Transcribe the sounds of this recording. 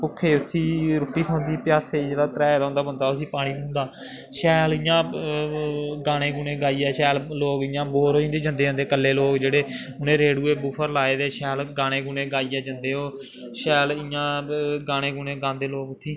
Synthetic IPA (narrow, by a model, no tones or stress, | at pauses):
pʊkʰːeːʊt̪ʰːiːɾʊːʈːiːtʰɔ̃ːnd̪iːpɪjaːseːd͡ʒeːɽaːt̪əɾɛːed̪ãːnd̪aːbənd̪aːʊsĩːpaːɽ̃iːkʊ̃ːnd̪aː | ʃɛːlɪːjãː | ɡaːɽ̃ẽːɡuːnẽːɡaːiːɛːʃɛːlloːɡɪjãːboːɾoːĩnd̪eːd͡ʒə̃nd̪eːõnd̪eːkəlːeːloːɡd͡ʒeːɽeː | ʊnẽːɾeːɽuːeːbuːpʰəɾlaːeːd̪eːʃɛːlɡaːɽ̃ẽːɡuːnẽːɡaːiːɛːd͡ʒənd̪eːoː | ʃɛːlɪjãːɡaːɽ̃eːɡuːneːɡãːnd̪eːloːɡʊt̪ʰːiː